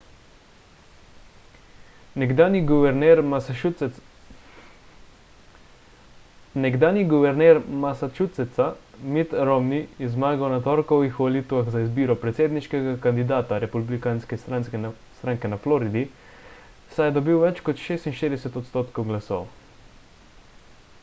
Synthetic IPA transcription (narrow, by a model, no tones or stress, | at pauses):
nɛɡd̪aːniɡuʋɛɾnɛɾ | nɛɡd̪aːniɡuʋɛɾnɛːɾmasat͡ʃut̪sɛt̪samit̪ɾoɔmniizmaːɡawnat̪ɔɾkɔwʋixʋɐlit̪uʋaɣzaizbiːɾɔpɾɛt̪seːd̪niʃkɛɡakand̪id̪aːt̪aɾɛpublikanskɛa | st̪ɾaːŋkɛnaflɔːɾid̪i | sajɛd̪ɔbiwʋɛt͡ʃkɔt̪ʃeːst̪inʃt̪eːd̪ɛsɛt̪ɔt̪st̪oːt̪kɔwɡlasɔ̰w